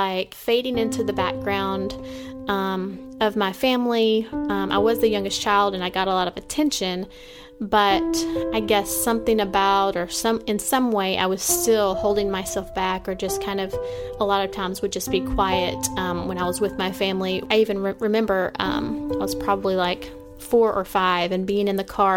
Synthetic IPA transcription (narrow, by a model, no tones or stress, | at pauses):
laɪkfeɪɾɪ̃ŋɪ̃ntʰʉðɨbæ̰k̚ɡ̥ɹãʊ̃ndʔʌ̃mʌvmaɪfæ̃mliʌ̃mʔa̰ɪwʌzðɨjʌ̃ŋɡɨst͡ʃʰaɪlˠdɨ̃naɪɡɑɾəlɔɾʌvɨtʰɛ̃nʃɨ̃n | b̥ʌɾaɪɡɛsʌ̃mθɪ̃ŋɨbaʊɾə˞sʌ̃mɨ̃nsʌ̃mweɪʔa̰ɪwʌz̥stɪlˠhoʊlˠdɪ̃ŋmaɪsɛlˠfb̥ækə˞d͡ʒʌskʰãɪ̃ndʌv̥əlɔɾʌv̥tʰãɪ̃mzwɨd̚d͡ʒʌsb̥ikʰw̥aɪɨtʌ̃mwə̃ɾ̃aɪwʌzwɨðmaɪfæ̃mliaɪivɨ̃nɹɹɨmɛ̃mbə˞ʔʌ̰̃maɪwʌz̥pʰɹ̥ɑbəblilaɪk | fɔɹʔə̰˞faɪvɨ̃nbiɪ̃ŋɨ̃nðɨkʰɑɹ